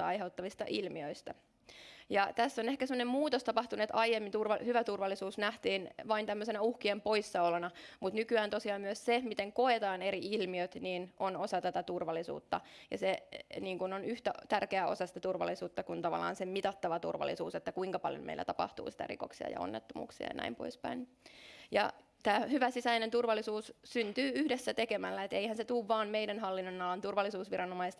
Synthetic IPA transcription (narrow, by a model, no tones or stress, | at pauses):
ɑɑjɦeut̪ːɑʋist̪ɑ̰ʔilmiøist̪æ̰ | jɑt̪æsːonehkæsemːonemmuːt̪ost̪ɑpɑht̪uneet̪ɑjjemːint̪urʋɑhyʋæt̪urʋɑlːisuːsnæht̪iːnʋɑint̪æmːøsenæuhkiempo̞isːɑolenɑmut̪nykyæːnt̪osiɑːmmyøssemit̪eŋko̞et̪ɑːneɾiilmiøt̪niːnʔonosɑt̪æt̪æt̪urʋɑlːisṵːt̪ːɑjɑ̰seniːŋkunonyht̪æt̪ærkeæo̞̰sɑsi̥t̪æt̪urʋɑ̰lːˑisuːt̪ːɑkunt̪ɑʋɑ̰lːˑɑ̰ːnsemit̪ɑt̪ːɑʋɑt̪ṵrʋɑ̰lːˑḭsṵːset̪ːækuiŋkɑpɑljo̰mḛilːæ̰t̪ɑpɑ̰ht̪ṵːsi̥t̪æ̰rḭko̰ksiɑ̰jɑ̰o̰nːet̪ːomṵːksiɑ̰ɑnæ̰impo̰ispæ̰in | jɑ̰ | t̪æːhyʋæsisæinent̪urʋɑlːisuːssynt̪yːyhdesːæt̪ekemælːæet̪eihænset̪uːʋːɑːnmeidænɦɑlːinːonɑlːɑnt̪urʋɑlːisuːsʋirɑnomɑist̪